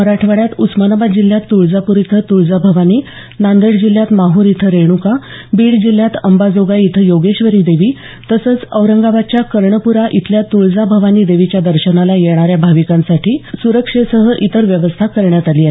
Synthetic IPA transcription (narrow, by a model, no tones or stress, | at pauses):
məɾaʈʰʋaɽjat̪usmənəbad͡ʑilːjat̪ːuɭd͡zapuɾit̪ʰət̪uɭd͡zabʱəʋaniː | nand̪əɽd͡ʑilːjat̪maɦuːɾit̪ʰəɾeɽ̃uka | biːɭd͡ʑilːjat̪əmbad͡zoɡait̪ʰəjoɡeɕʋəɾiːd̪eʋiː | t̪əsəːt͡səʋɾəŋɡaʋat͡ɕjakəɾɳəpuɾaʔit̪ʰljat̪uɭd͡zabʱəʋaniːd̪eʋit͡ɕjad̪əɾɕənalajeɽ̃aɾjabʱaʋikãnsaʈʰiːsuɾəkʂesəɦəʔit̪əɾʋjəʋəst̪ʰakəɾɳjat̪aliːaɦe